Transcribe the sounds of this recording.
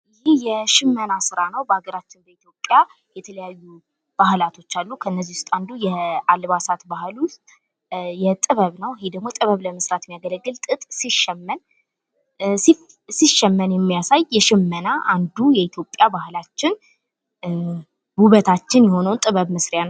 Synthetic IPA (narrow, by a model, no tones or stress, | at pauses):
ʔɨjɪhjɛʃɪmːənasɨɾanəwbəaɡəɾat͡ʃːɪnbəit̪ʰjo̞pʼːja | jɛt̪ʰələjajːu | b̥ahlat̪ʰo̞t͡ʃːalːukʰəɨnːəzːihʊst̪ʼand̪ujɛalβasat̪bahlust̪ʼ | jɛt̪ʼɨβəβnəwhed̪əɡmo̞t̪ʼɨβəβləməsɾat̪ɛmijaɡələɡːɨlt̪ʼɨt̪ʼsiʃɛmːən | si | siʃɛmːənjɛmːijasajːɛʃɪmːənaʔand̪ujɛit̪ʰjo̞pʼjabahlat͡ʃːɪn | buβət̪ʰat͡ʃːɪnjɛho̞nəwnt̪ʼɨβəβmɨsɾɪjan